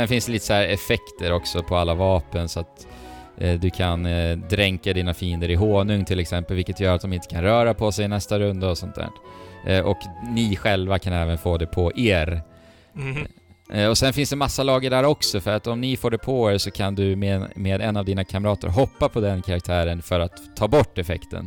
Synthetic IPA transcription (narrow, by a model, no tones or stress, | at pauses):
sɛnfɪnsd̪ɛliːt̪ə̥sæːɾɛfɛkt̪əɾɔksɔpʰɔalːavɑːpənsɔat̪ | d̪ɵkʰand̪ɾɛŋkad̪iːnafiːənd̪əɾɪɦoːnɵŋt̪ʰɪlːɛksɛmpəlvɪlkːət̪jœːɾat̪̚d̪ɔmɪnt̪ə̥kʰanɾœːɾapʰɔsɛjɪnɛst̪aɾɵnd̪aɔsɔnt̪̚d̪æ̰ːɾʔʔɔknɪɧɛlvakʰanɛːvənfoːd̪ɛpʰɔʔeːɾ | ɔsɛnfɪnsd̪ɛmasːalɑːɡəɖæɾɔksɔfœɾat̪ɔmnɪfoːɖɛpʰɔeʂɔkʰand̪ɵmemeːd̪ɛnːavd̪iːnakʰaməɾɑːt̪ə̰ɾɦɔpːapʰɔd̪ɛnkʰaɾakt̪ʰæːɾənfœɾat̪ʰːɑːbɔʈːɛfɛ̰kt̪ʰə̰n